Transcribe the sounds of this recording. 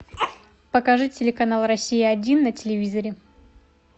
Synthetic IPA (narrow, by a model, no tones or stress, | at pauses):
pəkɐʐɨtʲɪlʲɪkɐnalˠrɐsʲːijɪɐdʲinːətʲɪlʲɪvʲizɐɾʲɪ